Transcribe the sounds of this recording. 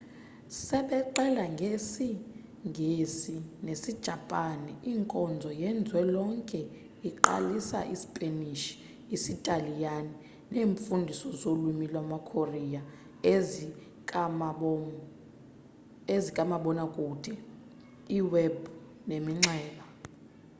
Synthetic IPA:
sɛɓɛǃɛlaŋɡʱesi | ŋʱisinesid̥ʒ̥ʱapʼaniʔiŋkʼɔnd͡zʱɔjɛnd͡zʱwɛlɔŋkʼɛ | iǃa̰lisa̰ʔisipʼeniʃi̥ | isitʼalijani | neːɱfundʱisɔzolumilwamakʰorija | ɔ | ezikʼamaɓɔnakʼud̥ʱʼɛ | iwɛbu | nemiŋ͡ǁɛːɓa

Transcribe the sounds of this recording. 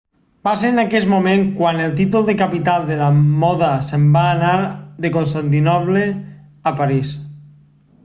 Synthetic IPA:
basenakezmomẽŋkwanelˠt̪it̪ulˠd̪ekapit̪alˠd̪elamɔðasembaːnaɾðekonst̪ant̪̬inɔβle | apaɾis

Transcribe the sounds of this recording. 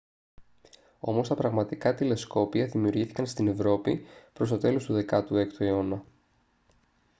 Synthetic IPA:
o̞mo̞st̪ɐpɾɐɣmɐt̪ikɐt̪ile̞sko̞piɐðimiuɾʝiθi̥kɐnst̪ine̞vɾo̞pipɾo̞st̪o̞t̪e̞lo̞st̪uðe̞kɐt̪ue̞kt̪ue̞o̞nɐ

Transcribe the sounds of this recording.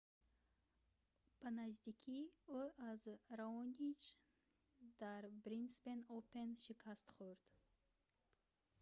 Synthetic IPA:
b̥anazd̪ikʲʰioazɾaonʲit͡ʃ | d̪aɾbɾinspenopenʃikʰast̪χuɾd̪̥

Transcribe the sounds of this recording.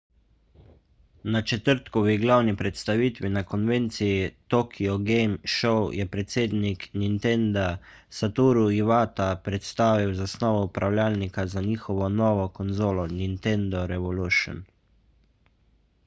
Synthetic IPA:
nat͡ʃɛt̪əɾt̪kɔʋiɡlawnipɾɛt̪st̪aʋiːt̪ʋinakɔnʋent̪sijit̪oːkʰiɔɡejmʃɔwjɛpɾɛt̪seːd̪niknint̪end̪a | sat̪uːɾuiʋaːt̪apɾɛt̪st̪aːʋiwzasnɔːʋɔupɾʔawlʲaːlnikazaɲiːxɔʋɔnɔːʋɔkɔnzoːlɔnint̪ɛnd̪ɔɾɛʋɔluʃɔ̰n

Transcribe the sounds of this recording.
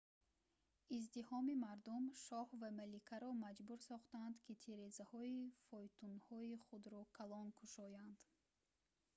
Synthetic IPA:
izd̪ihɔmimaɾd̪umʃɔhvamalikʰaɾɔmad͡ʒbuɾsɔχt̪and̪kʰit̪ʰeɾezahɔifɔjt̪ʰunhɔiχud̪ɾɔkʰalɔnkʰuʃɔjand̪̥

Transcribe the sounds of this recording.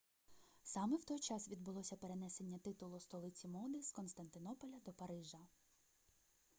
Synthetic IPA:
sɑmɛwt̪ɔjt͡ʃɑsʋʲid̪̚bʊlˠɔsʲɐpeɾe̞nɛse̞nʲːɐt̪ɪt̪ʊlˠʊst̪ɔlˠɪt͡sʲimɔd̪ɪskɔnst̪ɐnt̪ɪnɔpɔlʲɐd̪ɔpɐɾɪʒɐ

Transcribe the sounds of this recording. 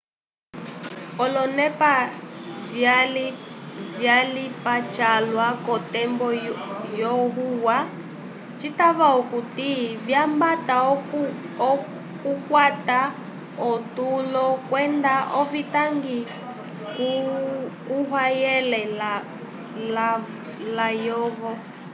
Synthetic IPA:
ɔlɔnɛpavjal | vjalipat͡ʃalwakɔtɛmbɔjɔɣuwa | t͡ʃitaβaɔkutivjambata | ɔ | kukwata | ɔtulɔkwɛndaʔɔvitaŋɡi | ku | kuɦwajɛlɛl | la | lajɔβɔ

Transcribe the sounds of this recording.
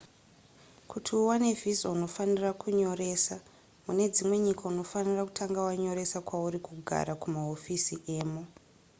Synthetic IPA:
kutʰiuwane̞vʱizouno̞fanirakʰuɲo̞ɾe̞ːsa | mune̞d͡zimwe̞ɲikauno̞faniraku̥tʰaŋɡawaɲo̞ɾe̞sakwauɾikuɡʱa̰ɾakumaɦo̞fisiʔe̞ːmu

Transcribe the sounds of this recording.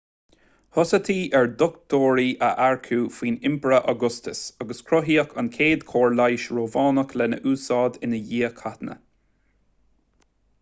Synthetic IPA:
hɔsət̪ʰiːʔɛɹd̪ɔkt̪oːɹiːʔəʔaɹkʰuːfiːnɪmpəɹəʔaɡʊst̪əsaɡəskʰɹɔɦiːəkʰankʰeːd̪kʰoːɹlajʃɹoːvɑːnəkʰlɛnə̰ʔuːsɑːd̪ɪnəjiːəkʰat̪nə̰

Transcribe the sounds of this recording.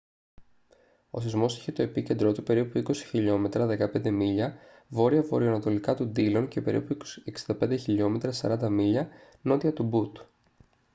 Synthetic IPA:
o̞̰θizmo̞si̥çet̪o̞e̞pice̞nd̪ɾo̞t̪upe̞ɾipuiko̞si̥çiʎo̞me̞t̪ɾɐðe̞kɐpe̞nd̪e̞miʎɐ | vo̞ɾiɐvo̞ɾioɐnɐt̪o̞likɐt̪und̪ilo̞nce̞pe̞̰ɾḭpueksind̪ɐpe̞nd̪eçiʎo̞me̞t̪ɾɐsɐɾɐnd̪ɐmiʎɐ | no̞t̪iɐt̪ubut̪u

